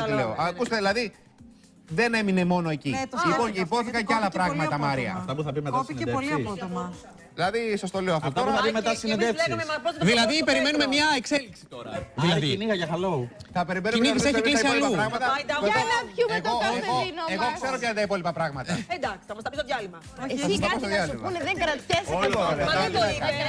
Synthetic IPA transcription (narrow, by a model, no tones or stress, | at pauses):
ileoɐkust̪eðilɐði | ðe̞ne̞mine̞mo̞no̞e̞cit̪liponipo̞θikɐɲceɐlɐpɾɐɣmɐɐmɐɾiɐ̰ɐft̪ɐpuθɐpimekɐosieoliɐpot̪omɐ | ðilɐðiso̞st̪o̞lioɐft̪ɐt̪ouɐpimet̪ɐsined̪efsɐɐpɾotðilɐðipeɾimenumemɲɐekseliksi̥oɐðilɐðiniɣɐʝɐxɐloθɐpe̞ɾimenuniðisseçiklisɐisiɐlɐupɾɐɣmɐt̪ɐɐoɐpueɣoonoeɣokse̞ɾopçɐt̪ɐipo̞lipɐpɾɐɣmɐt̪ɐed̪ɐksi̥ɐmɐstɐpistoðjɐlimɐ | oɐsɐst̪opost̪oðjɐlimɐuneðeŋkɐɾɐt̪tesoo